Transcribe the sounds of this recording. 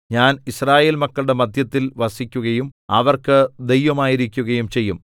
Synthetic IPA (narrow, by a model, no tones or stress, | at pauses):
ɲaːnisraːje̞ːlmɐkːɐɭɽe̞mɐd̪ʱjɐt̪ːilʋɐsikʲːuɣɐjumɐ̰ʋɐrkɨd̪e̞jʋɐmaːjiɾikʲːuɣɐjumt͡ɕe̞jːum